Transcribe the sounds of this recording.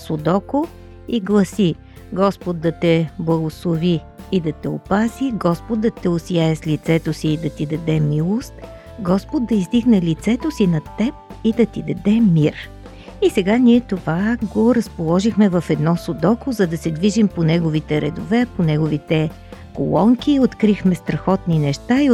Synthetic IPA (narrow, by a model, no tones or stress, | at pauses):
sod̪ɔko | iɡlˠɐsi | ɡɔspod̪̚ːɐt̪ɛblˠɐɡoslˠoviː | d̪ɐt̪ɛopaziɡɔspod̪̚d̪ɐt̪ɛosijaɛslit̪sɛt̪osiːd̪ɐt̪id̪ɐd̪ɛmilˠost̪ | ɡɔspod̪̚d̪ɐizd̪iɡnɛlit̪sɛt̪osinɐt̪ɛp̚id̪ɐt̪id̪ɐd̪ɛmiɾ | isɛɡaniɛt̪ovaɡoɾɐspolˠɔʒixmɛvɐfɛd̪nɔsod̪ɔkʊzɐd̪ɐsɛd̪viʒimponɛɡovit̪ɛɾɛ̰d̪ovɛponɛɡovit̪ɛ | ko̰lˠɔŋkʲiot̪kɾixmɛst̪ɾɐxɔt̪ninɛʃt̪ai